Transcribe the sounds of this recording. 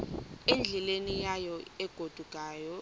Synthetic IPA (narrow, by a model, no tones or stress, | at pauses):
end͡ɮʱɛlenijajɔɛɡ̥ʱod̥ʱuɡ̥ʱʼaːjɔ